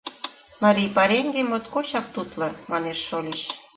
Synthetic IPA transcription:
mɑɾʲijpɑɾeŋɡemot̪koɕɑk̚t̪ut̪lɤ̆mɑneʃːolʲeɕ

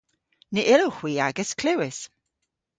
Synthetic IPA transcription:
niʔɪlowxw̥iːaɡəskʰl̥ɪwɪs

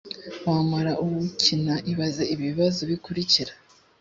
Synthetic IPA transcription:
wamaɾaʔuwucʰinaʔiβazeiβiβiβazoβikuɾiciɾḁ

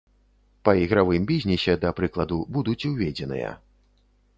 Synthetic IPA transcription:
pɐiɣɾavɨmbʲizʲnʲisʲɛd̪ɐpɾɨklˠɐd̪ubud̪ut͡sʲwvʲɛd͡zʲɛnɨ̰jɐ̰

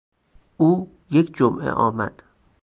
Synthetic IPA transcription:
ʔuː | jekʰd͡ʒomʔḛʔɒ̰ːmæ̰d̪̥

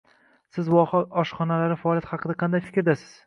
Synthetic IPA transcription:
sɪzwɒχɒɒʃχɒnalaɾɪfaɒːljat̪χhɑqʰɨd̪aqʰɑnd̪ajfɪkʲɾd̪asɪz̥

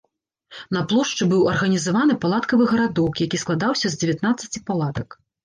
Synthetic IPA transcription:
nɐplˠɔʂt͡ʂɨbɨwɐrɣɐnʲizavanɨpalˠat̪kɐvɨɣɐɾad̪ɔkjakʲisklˠad̪awsʲɐzʲd͡zʲevʲjat̪nat̪sːɐ̥t͡sʲipalˠat̪ɐk

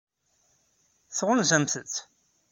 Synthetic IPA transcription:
θʁʊnzæmθət͡sː

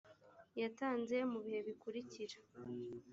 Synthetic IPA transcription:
jataːnze̞muβihe̞βikuɾiciɾḁ

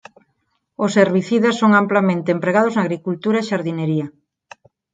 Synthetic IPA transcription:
oseɾβiθiðasːoŋamplamẽnt̪eempɾeɣað̞oznaɣɾikult̪uɾaeʃaɾðineɾiɐ

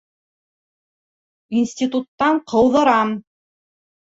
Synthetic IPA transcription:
insʲtʲit̪ut̪ːɑɴqʰɤ̆wðɤ̆ɾɑm

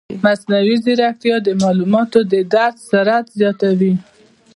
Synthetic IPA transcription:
masnawiziɾak̚t̪jɑd̪əmɑlumɑt̪od̪əd̪aɾt̪saɾat̪zjɑt̪awi

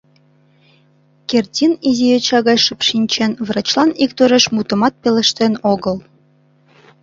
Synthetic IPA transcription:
kertʲinizijet͡ɕɑɣɑjʃəpʃinʲt͡ɕenβrɑt͡ɕlˠɑnik̚t̪øɾeʃmut̪ə̆mɑt̪̚pelə̆ʃt̪enoɣəl

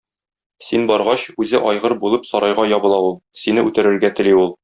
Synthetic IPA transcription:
sinbɒɾʁɑɕʉzɘʔɒjʁɤɾbulˠɤpsɒɾɑjʁɑjɒbɤ̆lˠɑulˠsinɘʉt̪ɘ̆ɾɘ̆ɾɡæt̪ɘ̆liulˠ

